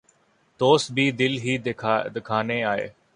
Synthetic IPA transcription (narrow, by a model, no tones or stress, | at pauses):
t̪oːsbiːd̪ɪlɦiːd̪ɪkʰaːneːaːɦḛː